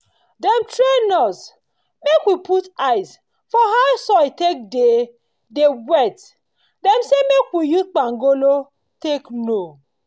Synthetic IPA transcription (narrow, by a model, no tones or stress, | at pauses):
dɛmtɹenɔs | mekwiputaɪs | fɔɦaʊsɔitek̚de | dewɛt | dɛmsemekwijusk͡paŋɡolo | tekno